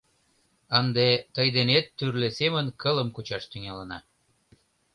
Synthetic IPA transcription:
ənd̪et̪əjd̪enet̪ːyrlesemə̆nkələ̆mkut͡ɕɑʃt̪yŋɑlɑnɑ

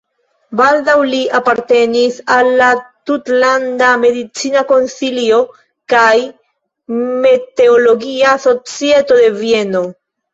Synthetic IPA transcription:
baldawliapaɾte̞nisalːat̪utlandame̞d̪it͡sinako̞nsilio̞ | kaj | me̞te̞olo̞ɡiaso̞t͡sie̞to̞d̪e̞vie̞no̞

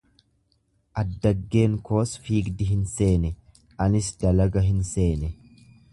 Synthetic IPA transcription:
ʔɐd̪ːɐɡːe̞ːŋko̞ːsfiːɡd̪ɪɦɪnse̞ːnɛ | ʔɐnɪsd̪ɐlɐɡɐɦɪnse̞ːnɛ

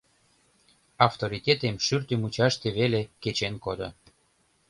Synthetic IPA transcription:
ɑft̪oɾit̪ʲet̪emʃyrt̪ymut͡ɕɑʃt̪eβeleket͡ɕenkod̪o̰

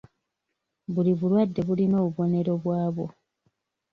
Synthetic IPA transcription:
βuliβulwadːe̞βulino̞ːβuβo̞ne̞ɾo̞βwaːβo̞

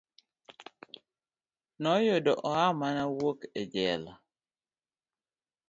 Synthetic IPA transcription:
nɔjodɔʔɔamanawoked͡ʒɛla

